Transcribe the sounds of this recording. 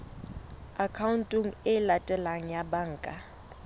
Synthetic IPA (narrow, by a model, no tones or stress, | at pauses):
akʰauntʼiŋ̩ɪlatʼɛlaŋ̩jabaŋ̩ːkʼa